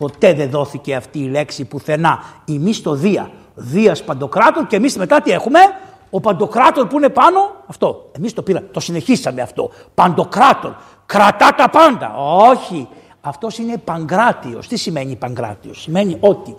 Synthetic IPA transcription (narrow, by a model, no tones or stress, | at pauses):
po̞t̪e̞ðe̞ðo̞θice̞ɐft̪iːle̞ksipuθe̞nɐimist̪o̞ðiɐ̰ | ðiɐspɐnd̪o̞kɾɐt̪o̞nce̞misme̞t̪ɐt̪ie̞xume̞ | opɐnd̪o̞kɾɐt̪o̞npuine̞pɐno̞ɐft̪o̞e̞mist̪o̞piɾɐmet̪o̞sine̞çisɐme̞ɐft̪o̞̰ | pɐnd̪o̞kɾɐt̪o̞n | kɾɐt̪ɐt̪ɐpɐnd̪ɐ̰oçi | ɐft̪o̞sine̞pɐŋɡɾɐt̪io̞̰st̪isime̞ɲipɐŋɡɾɐ̰t̪io̞sːime̞ɲiʔo̞t̪i